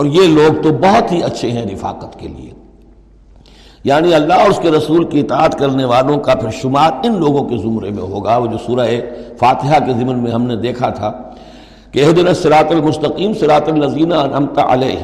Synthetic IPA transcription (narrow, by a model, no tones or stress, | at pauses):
ɔːɾjeloːɡ̚t̪obɔɦɔt̪ɦiɐtːʃʰeɦɛ̃ɾɪfa̰ːqət̪kḛlḭḛː | jaːniɐlːaɦɔːɾʊskeɾɐsuːlkiɪt̪aːət̪kɐɾneʋaːlõkapʰɪɾʃʊmaːɾɪnloːɡõkezʊmɾḛmḛ̃ɦoːɡaod͡ʒoːsuːɾaɦefaːt̪ɪɦakezɪmnmẽɦɐmned̪eːkʰat̪ʰaː | keɪɦd̪ɪnasɪɾaːt̪ɐlmʊst̪ɐqiːmsɪɾaːt̪ɐlːɐziːnaɐnɐmt̪a̰ʔɐ̰lɛːɦ